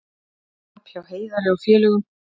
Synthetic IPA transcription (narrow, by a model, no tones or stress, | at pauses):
apʰjawheːjðaɾɪɔfjɛːlʏɣʏm